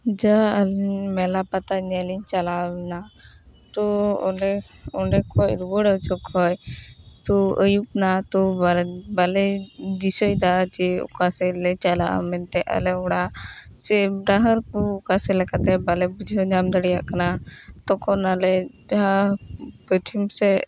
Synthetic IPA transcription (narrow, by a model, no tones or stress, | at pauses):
d͡ʒaəlɲmɛlapat̪aɲɛliɲt͡ʃalana | t̪ɔ | ɔɳɖɛkʰɔjɾubɔɽət͡ʃɔkʰɔjt̪ɔəjup̚nat̪ɔbalɛd̪isɔjd̪at͡ʃɛɔ̰kasɛlɛt͡ʃalaʔa̰mɛnt̪ɛʔa̰lɛɔɽa | sɛbɾaɦəɾkuːkasɛlɛkat̪ɛbalɛbud͡ʒʱɔɲamd̪əɽijaʔkanat̪ɔkʰɔnalɛd͡ʒaɦapət̪ʰimsɛ